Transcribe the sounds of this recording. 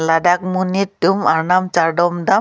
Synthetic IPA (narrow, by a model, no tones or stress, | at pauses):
ladak̚munit̚dumaɾnamt͡ʃaɾɖɔmda